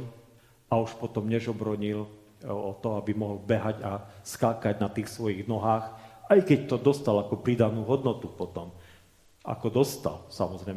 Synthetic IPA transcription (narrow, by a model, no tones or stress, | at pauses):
auʃpɔt̪ɔmɲɛʒɔbɾɔɲil | ɔt̪ɔabimɔɦɔlbɛɦaɟaskaːkaɟnat̪iːxsʋɔjiɣnɔɦaːxajkɛct̪ɔd̪ɔst̪alakɔpɾiːd̪anuːɦɔd̪nɔt̪upɔt̪ɔm | a̰kɔd̪ɔst̪a̰lsa̰mɔzɾɛj